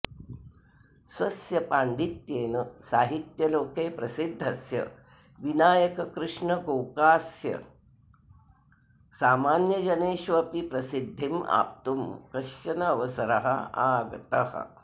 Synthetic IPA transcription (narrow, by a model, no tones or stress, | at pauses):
sʋɐsjɐpaːɳɖit̪jeːnɐsaːɦit̪jɐloːkeːpɾɐsid̪ʱːɐsjɐ̰ | ʋinaːjɐkɐkɾɨʂɳɐɡɐwkaːsjɐ̰ | saːmaːnjɐd͡ʒɐneːʃʋɐɐpipɾɐsid̪ʱːima̰ːp̚t̪umkɐʃt͡ʃɐnɐːʋɐsɐɾɐɦɐ̰aːɡɐ̰t̪ɐhɐ̰